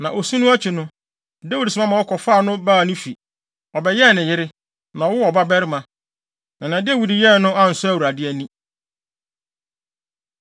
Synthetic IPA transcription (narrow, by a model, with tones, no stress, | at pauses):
nã˨ʔo˨su˦nʊ̃˦æ˦t͡ɕʰᶣi˨nʊ̃˦ | da˦wu˦dsʊ˨mã˦mã˨wɔ˦kʰɔ˨faː˦˨nʊ̃˦baː˦˨nʊ̃˦fi˨ | ɔ˨bɛ˨jɛ˦˨nɪ̃˨jɪ˦ɾɪ˦ | nã˨ɔ˦wʊ˦ɔ˨ba˦bɛ˦ɾɪ˦mã˨ | nã˨nã˨dɪ˦ɛ˦wu˨di˨jɛ˦˨nʊ̃˦a˦n̩˨sʊ˦æ˦˨wu˨ɾa˨dɪ˦æ˨nĩ˦